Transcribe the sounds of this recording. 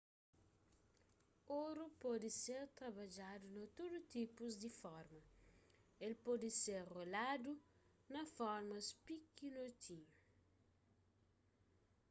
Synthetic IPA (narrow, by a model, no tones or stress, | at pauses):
oɾupɔd̪ɪseɾt̪ɾɐbad͡ʒad̪unɐt̪od̪ut̪ipuzd̪ifɔɾmɐ | elpɔd̪iseɾrolad̪u | nɐfɔɾmɐspikinot̪ʰi